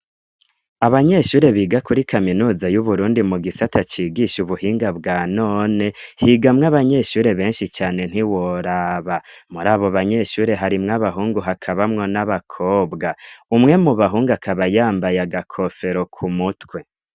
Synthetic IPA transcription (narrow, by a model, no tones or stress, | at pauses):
aβaɲe̞ʃuːɾe̞βiːɡakuɾikʰaminuːzajuβuɾuːndimuɡisatʰat͡ʃiːɡiʃuβuhiːŋɡabɡaːno̞ːne̞hiːɡamŋaβaɲe̞ʃuːɾe̞βe̞ːnʃit͡ʃaːne̞n̥hiwo̞ɾaːβamuɾaːβo̞βaɲe̞ʃuːɾe̞ɦaɾimŋaβaɦuːŋɡuɦakʰaβamŋo̞naβakʰo̞ːbɡaumŋe̞muβaɦuːŋɡakʰaβajaːmbajaɡakʰo̞fe̞ɾo̞kʰumutkwe̞